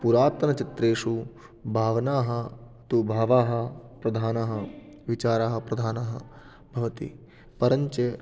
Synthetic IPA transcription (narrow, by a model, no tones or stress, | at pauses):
puɾaːt̪ɐnɐt͡ʃit̪ɾeːʂu | bʱaːʋɐnaːɦɐ | t̪ubʱaːʋaːɦɐ̆pɾɐd̪ʱaːnɐɦɐ | ʋit͡ʃaːɾaːɦɐpɾɐd̪ʱaːnɐɦɐ | bʱɐʋɐt̪ḭ | pɐɾɐɲt͡ʃe